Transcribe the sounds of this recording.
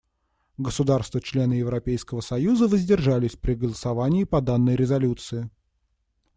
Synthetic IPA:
ɡəsʊd̪arst̪vət͡ɕlʲe̞nɨjɪvɾɐpʲejskəvəsɐjuzəvəzʲdʲɪrʐalʲɪsʲpɾʲɪɡəlˠəsɐvanʲɪːpɐd̪anːəjɾʲɪzɐlʲut̪sɨɪ

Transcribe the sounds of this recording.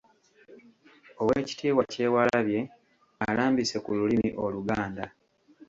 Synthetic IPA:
o̞weːci̥tiːwace̞ːwalaβje̞ | alaːmbise̞kululimiʔo̞luɡaːnda

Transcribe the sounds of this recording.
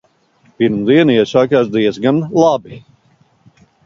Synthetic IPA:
piɾmd̪iɛnɛsaːkaːsd̪iɛzɡanlˠabi

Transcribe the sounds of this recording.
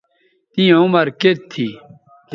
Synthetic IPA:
t̪ĩjẽumɐɾket̪ʰːi | k

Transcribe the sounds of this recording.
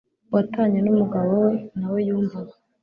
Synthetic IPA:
wataːɲenumuɡaβowenawe̞juːɱvaβa

